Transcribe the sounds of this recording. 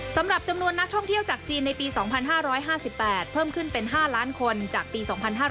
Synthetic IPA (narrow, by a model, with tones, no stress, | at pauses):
sa˩˦mɾa˨˩p̚t͡ɕa˧mnu˧ənːa˦˥k̚t̪ʰɔ˥˩ŋt̪ʰi˥˩əwt͡ɕaː˨˩k̚t͡ɕiː˧nːa˧jpiː˧sɔː˩˦ŋpʰa˧nɦaː˥˩ɾɔː˦˥jɦaː˥˩si˨˩pːɛː˨˩t̪̚pʰɤː˥˩mkʰɯ˥˩npe˧nɦaː˥˩laː˦˥nkʰo˧nt͡ɕaː˨˩k̚piː˧sɔː˩˦ŋpʰa˧nɦaː˥˩